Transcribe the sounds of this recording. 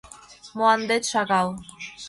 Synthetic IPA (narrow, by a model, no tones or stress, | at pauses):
moɑnd̪et̪ʃɑɣɑlˠ